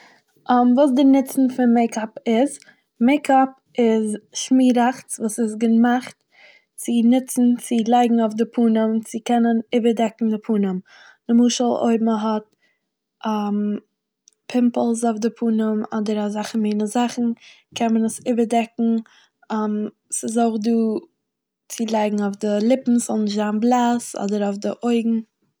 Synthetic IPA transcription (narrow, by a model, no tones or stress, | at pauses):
amvuːs̬dɪnɪt͡sn̩fɪnmeɪkʰapɪz | meɪkʰap | ɪzʃmiːɾaχt͡svuːsɪs̬ɡəmaχt | t͡sɪnɪt͡sn̩t͡sɪlˠaɪɡŋ̩aʊfdɪpʰuːnəmt͡sɪkɛnənɪbəɾdɛkŋ̩dɪpʰuːnəm | d̥ɪmuːʃəlˠo̰ɪbm̩ɦɔt̚ | ʔam | pʰɪmpəl̩ˠzoʊfdɪpʰuːnəmɔ̰dəɾazaχəmeɪnəzaχn̩ | kʰɛnmənəsɪbəɾdɛkŋ̩ | am | sɪzoʊχduː | t͡sɪlˠaɪɡŋ̩aʊfdɪlˠɪpm̩sɔlˠnɪʃzanblˠasɔ̰dəɾaʊfdɪʔoɪɡŋ̩